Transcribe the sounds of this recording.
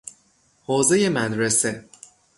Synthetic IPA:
hoːzejemæd̪ɾese

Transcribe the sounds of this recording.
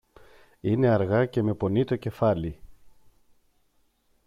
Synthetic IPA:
ine̞ɐɾɣɐce̞me̞po̞nit̪o̞ce̞fɐli

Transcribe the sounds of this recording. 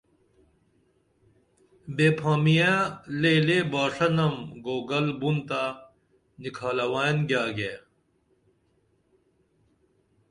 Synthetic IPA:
beːpʰãːmijãleːleːbaːʂɐnɐmɡoːɡɐlbunt̪aː | nikʰaːlɐwaːnɡjaːɡe

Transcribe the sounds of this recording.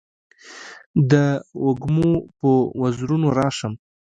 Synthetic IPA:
d̪əʊɡmopəwazɾunoɾɑʂəm

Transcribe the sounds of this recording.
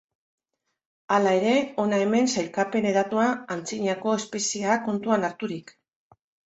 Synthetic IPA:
alae̞ɾe̞o̞nae̞me̞nsajlkape̞ne̞ðat̪uaant͡siɲako̞e̞spe̞siako̞nt̪uanaɾt̪uɾik

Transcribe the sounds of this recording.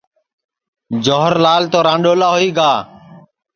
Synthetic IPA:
d͡ʒoːɦəɾlaːlt̪oːɾãːɳɖoːlaːɦoiːɡaː

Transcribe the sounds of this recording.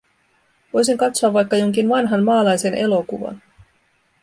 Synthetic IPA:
ʋo̞jsiŋkɑt̪soɑʋːɑjkːɑjo̞ŋk̟inʋɑnɦɑnmɑːlɑjse̞nʔe̞lo̞kuʋɑ̰n

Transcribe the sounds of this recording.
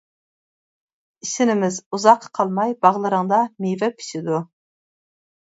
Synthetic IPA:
isɪnɪmɪzuzɑqqʰːɑlˠmɑjbɑʁlˠɨɾəŋd̪ɑmejvɛpʰi̥sɪd̪u

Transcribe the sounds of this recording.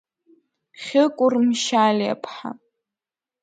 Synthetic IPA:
χʲɪkʷʼʊrmʃala̰pʰħa̰

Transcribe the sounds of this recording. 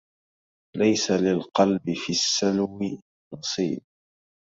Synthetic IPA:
lajsalɪlqɑlbɪfiːsːalmɪ | nɑsˤiːb̚

